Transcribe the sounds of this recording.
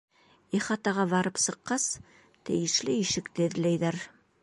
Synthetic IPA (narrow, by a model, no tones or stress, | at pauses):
iχɑt̪ɑʁɑβɑɾɤpsɤ̆qːɑs | t̪ɘ̰̆jɘ̆ʃlɘiʃɘkt̪ɘɘ̆ðlæjðæɾ